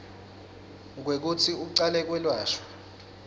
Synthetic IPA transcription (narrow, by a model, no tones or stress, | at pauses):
k̬wek̬utʰiuǀalɛk̬wɛlwaːʃɔ̥